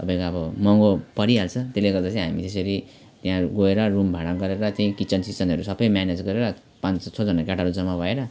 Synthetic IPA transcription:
ʌ̰bãj̃kaʌbʌmʌŋɡopʌɾialt͡sʰʌt̪eleɡʌrd̪at͡sʰʌ̃ɦamḭt̪es̬eɾi | t̪jãɡoeɾʌrumbʱaɽaɡʌɾeɾʌt̪eĩkit͡sʌnsit͡sʌnʌɾusʌbʌjmjaned͡zɡʌɾeɾʌ | pãnt͡sʰod͡zʌnakaʈaɾud͡zʌmabʱʌeɾʌ

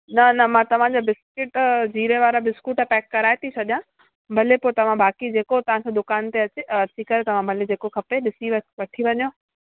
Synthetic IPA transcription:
nɐnɐmãːt̪ɐʋ̤ãd͡ʑabɪskɪʈd͡ʑiːɾeʋaːɾabɪskuːʈɐpɛːkːɐɾaːet̪ʰit͡ɕʰɐɗijã | bʱɐlepoːt̪ɐʋ̤ãbaːkid͡ʑeːkot̪ɐʋ̤ãkʰeːd̪ʊkaːnt̪eɐt͡ɕeɐt͡ɕikɐɾet̪ɐʋ̤ãbʱɐled͡ʑeːkokʰɐpeɗɪsiʋʋɐʈʰiʋɐɲjo

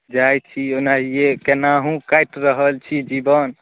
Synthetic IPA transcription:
d͡ʒajt͡ʃʰionaɦijekenaɦũkajʈɾəɦəlt͡ʃʰid͡ʒibən

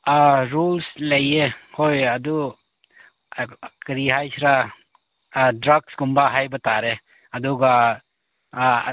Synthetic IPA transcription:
aɾulsləjehojad̪u | kəɾiɦajsʰɾa | dɾəɡsɡumbaɦajbɐt̪aɾe | ɐd̪uɡa

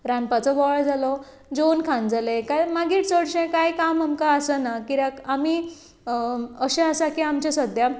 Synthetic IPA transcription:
ɾãnpat͡sɔʋɔɭd͡zʱalɔ | d͡zonkʰãnd͡zalekajmaɡiːʈt͡səɽɕẽkajkamamkaːsənakiɾakami | əɕẽasakiamt͡ɕasəd̪ʱja

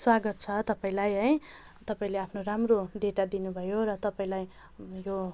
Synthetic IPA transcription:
swaɡʌt̪̚t͡sʰʌt̪ʌpaĩlajɦʌj | t̪ʌpaĩleapʰnoramroɖeʈad̪inubʱʌjoɾʌt̪ʌpaĩlaj | jo

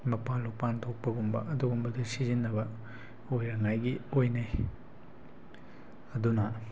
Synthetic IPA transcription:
mɐpalupant̪ʰok̚pɐɡumbɐ̰ʔɐd̪uɡumbɐdisizinːɐbɐ | ojɾɐŋajɡiojnaj | ɐd̪unɐ

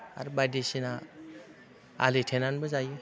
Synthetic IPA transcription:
a̰ɾbadesina | a̰letʰenanbɯzaj

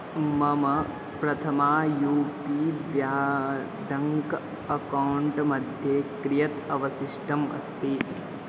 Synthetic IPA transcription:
mɐmɐ | pɾɐt̪ʰɐmaːjuːpiːʋjaː | ɖʱɐŋk | ɐkɐwuɳʈmɐd̪ʱjeːkɾijɐt̪ɐʋɐsiʂʈɐmɐ̰st̪i

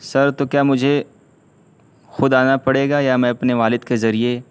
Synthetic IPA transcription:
sɐɾt̪okjaːmʊd͡ʒʱe | xʊd̪aːnapɐɽeːɡajamɛ̃ɐpneʋaːlɪd̪kezɐɾie

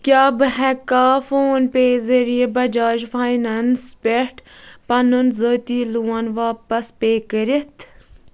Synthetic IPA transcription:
kʲjaːbɨɦɛkaːfoːnpeːzɐɾijebɐd͡ʒaːʒfʰaːjnɐnspʲeʈpɐnunzoːt̪iːluwɐnʋaːpɐspeːkəɾet̪ʰ

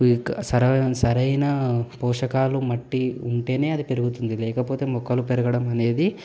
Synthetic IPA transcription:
kːsɐɾɐsɐɾɐjnɐpɔːʂɐkaːlumɐʈːiuɳʈe̞ːne̞ːɐd̪ipe̞ɾuɡut̪und̪ilɛːkɐpoːt̪e̞ːmɔkːɐlupeɾɐɡɐɽɐmɐne̞ːd̪i

